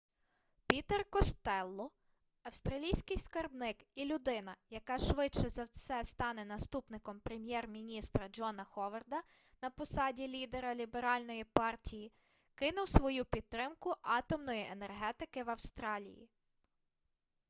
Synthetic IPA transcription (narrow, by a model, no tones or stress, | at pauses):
pʲit̪erkɔst̪ɛlˠːɔ | ɐwst̪ɾɐlʲijsʲkɪjskɐrbnɪkilʲʊd̪ɪnɐjɐkɑʃʋɪt͡ʃɛzɐwsɛst̪ɑnɛnɐst̪upnɪkɔmpɾemʲjɛrmʲinʲist̪ɾɐd͡ʒɔnɐxɔʋerd̪ɐ | nɐpɔsɑdʲilʲid̪eɾɐlʲibeɾɑlʲnɔjipɑrtʲiji | kɪnʊwsʋɔjupʲid̪̚t̪ːɾɪmkʊʔɑt̪ɔmnɔjiʔenerɦɛt̪ɪkɪʋɐwst̪ɾɑlʲḭjḭ